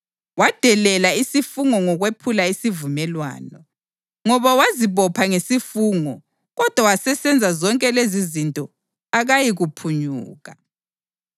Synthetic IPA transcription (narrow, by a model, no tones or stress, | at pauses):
wad̥ʱɛlɛlaisifuŋɔŋɔɣwepʰulaisivumɛlwa̰ːnɔ | ŋɔβawaziβɔpʰaŋesifuːŋɔ | ɣɔd̥ʱwawasɛsɛnd͡zʱazɔŋkʼɛlezizintʼɔ | aɣajiɣupʰuɲuːɣa